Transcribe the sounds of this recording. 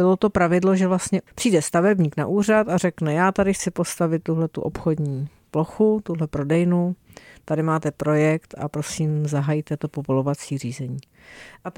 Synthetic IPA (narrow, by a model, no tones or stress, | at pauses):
bɪlo̞t̪o̞pɾavɪdlo̞ʒɛvlast̪ɲɛpr̝̥iːdɛst̪avɛbɲiːkna̰ʔuːr̝at̪arɛknɛjaːt̪adɪxt͡sɪpo̞st̪avɪt̪̚ːuɦlɛt̪ṵʔopxo̞dɲiː | plo̞xut̪uɦlɛpɾo̞dɛjnut̪adɪmaːt̪ɛpɾo̞jɛkt̪ʔa̰pɾo̞siːmzaɦajit̪ɛt̪o̞po̞volo̞vat͡siːr̝iːzɛɲiː | ʔa